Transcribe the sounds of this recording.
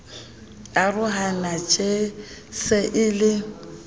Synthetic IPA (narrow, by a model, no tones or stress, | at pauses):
arʊɦanat͡ʃʼesɪʔɪlɪ